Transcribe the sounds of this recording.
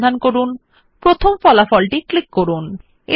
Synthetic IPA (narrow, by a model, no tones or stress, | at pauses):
d̪ʱankoɾun | pɾot̪ʰomfɔlafɔlʈiklikːoɾun | e